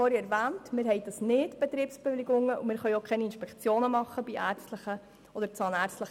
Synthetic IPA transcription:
oːɾiɛɾvæːntmɪːɾɦhɛɪd̪ɑsnɪtb̥ɛt̪ɾiːpsb̥ɛʋɪliɡʊŋəʔumɪːɾχœjokχɛniinʃpɛkt͡sjoːnəmɑχːəbiʔæːɾt͡stləχə | ɔd̪əɾt͡sɑːnæɾt͡stləχ

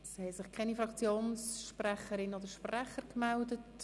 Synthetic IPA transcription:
shɛɪsɪχkʰɛnifɾɑkt͡sjoːnsʃprɛχəɾɪnodəɾʃprɛχəɾkmɛldət

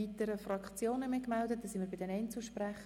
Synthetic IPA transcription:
iːt̪əɾəfrɑkt͡sjoːnəmɪkmɛldət̚d̥ɑsɪnməbɪdɛnɛnt͡suʃpræχ

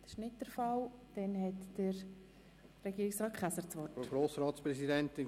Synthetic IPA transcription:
d̥əʃnɪtːəɾfɑld̥ɛnhɛtd̥əɾ | ɾɛɡiːɾiksɾɑːt̚kʰχæsəɾt͡sʋɔoɡɾoːsɾɑːt̪spɾɛsidɛntɪn

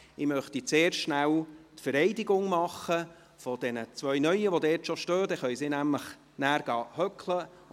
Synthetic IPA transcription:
ɪmœχtit͡seːɾʃnælt̪fəɾɛɪdiɡʊŋmɑχə | fɔd̥̪ɛnət͡sʋœɥnœʏəʋodɛːtʃoʃtøːd̥̪ɛχœʏsɪnæmləχ | næːɾɡ̥ɑːhœklə

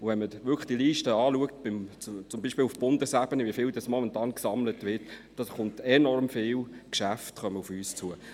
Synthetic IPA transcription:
ʊʋɛnməʋʏkləχd̥iəliːʃtəɑːluək̚t̚b̥ɪmt͡st͡sʊmbiːʃpiːlufb̥ʊndəsæb̥ənəʋiəfɪːldɑsmɔmɛntɑːnksɑmlətʋɪːtd̥ɑsχʊntɛnɔɾmfɪːlkʃæftχœməufyːst͡suə

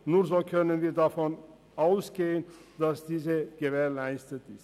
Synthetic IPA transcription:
nuːɐzoːkʰœnənviːɐdafɔn | ʔaʊsɡ̥eːənd̥asd̥iːzəɡ̥əveːɐlaɪstətɪst

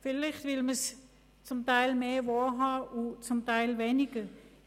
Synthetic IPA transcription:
fɪlɪχtvɪlməs | t͡sʊmtaɪlmeːʋoːɦɑːʔut͡sʊmtaɪlvɛːnɪɡ̥ə

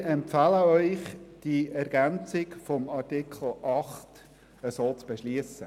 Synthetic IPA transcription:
ɛmpfɑləœʏχd̥iʔɛɾɡ̥ænt͡sɪkfɔmɑɾtikʰl̩ʔɑχt | əsoːt͡sb̥ɛʃliəsə

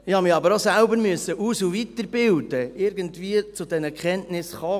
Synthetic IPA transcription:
ɪhɑmɪɑbəɾosælbəɾmyəsːəʔuːsuvitəɾbɪldəɪɾɡəntviːət͡sudɛnəkχɛntnɪsχɔː

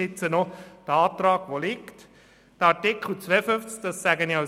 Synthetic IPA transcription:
ɪt͡sənɔd̥əɑːt̪rɑːɡ̥ʋolɪkt | d̥əɑtɪkχl̩t͡sʋɛəfʏnft͡sk̚d̥ɑsːæɡəniɑ

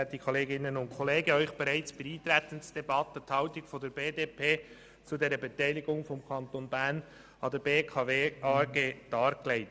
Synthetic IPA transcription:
ɛt̚d̥iːkʰoleːɡɪnənʊntkʰɔleːɡəœʏçb̥ɛɾaɪt͡sb̥ɪɾiːt̪ɾɛtən̩sd̥ɛbɑtətʰɑʊtɪkfɔdɛɾbeːdeːpʰeː | t͡sudeːɾəbɛtæɪlɪɡʊŋfɔmkʰɑntoːnbæn | ɑdɛːbeːkʰɑveːɑːɡ̥eːd̥ɑːɾkleɪt

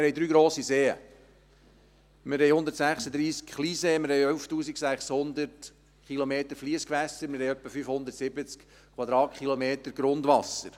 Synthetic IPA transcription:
ɪɾhɛjd̪ɾyːɡɾoːsiseːə̰ | mɪɾɦɛjhʊndətsæχsəd̪ɾiːskχliːseːmɪɾhɛjœlftuːsiksæχshʊnd̪ərt | χilomeːt̪əɾfliəskʋæsəɾmɪɾhɛjœpːəfyfhʊnd̪əɾtsɪbət͡sk | kʰwɑd̪ɾɑːtχilomeːt̪əɾɡɾʊnd̪ʋɑsəɾ

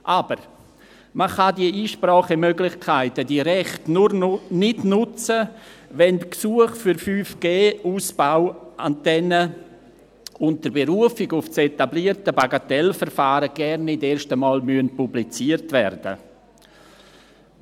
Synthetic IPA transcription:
ʔabəɾ | məχadiəiːʃpɾɔːχəmøɡlɪχkʰaɪtədiɾɛχtnʊrnɪdnʊt͡səʋɛntksuəχfyɾfyːfɡ̥eːuːsb̥aʊʔa̰ntɛnə | ʊnt̚təɾbeɾuəfɪɡʊft͡setabliːərtəbaɡatɛlfərfaːɾəɡ̥ɛrnɪdeːɾʃtəmɑːlmyənpublit͡siːərtʋɛrd̥ə̰

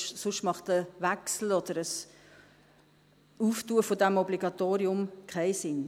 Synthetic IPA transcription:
sʊʃtmɑχt̪əʋæksl̩ɔd̥̪əɾəs | uːftuəfodæmɔbliɡ̥ɑt̪oːɾiʊmkʰɛɪsɪn

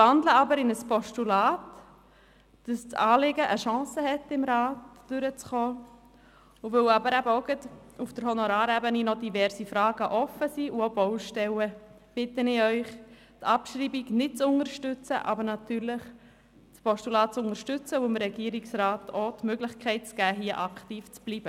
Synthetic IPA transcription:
ɑndləɑbəɾɪnəspʰɔʃtulaːt | d̥ɑst͡sɑːlɪɡəʔəʃɑ̃ːsəhɛtːɪmɾaːtd̥ʏɾət͡sχɔː | uvøwɑbəɾæbəoɡətufd̥əɾhɔnɔɾaːɾɛbəninɔdivɛɾzifɾɑːɡ̥əʔɔfəsiːʔuoboʊʃtɛwə | b̥ɪtənɪœʏχ | tʰɑpʃɾiːbiɡnɪt̚t͡sʊŋəɾʃtʏt͡sə̰ʔɑ̰bəɾnɑtyːɾlɪχ | pʰɔʃtulɑːt̚t͡sʊŋəɾʃtʏt͡səʊɪmɾɛɡiəɾiksraːtotmøɡlɪχkʰɛɪt̚t͡sɡ̥æːɦiəʔɑktiːft͡sb̥liːb̥ə

